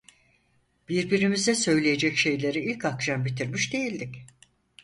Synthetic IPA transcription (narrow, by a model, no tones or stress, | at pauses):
b̥iɾbiɾimizd̪ɛsø̞jlʲejed͡ʒɛcʃe̞jlʲe̞ɾiilʲcakʃambit̪ʰiɾmiʃd̪e̞jilʲd̪ic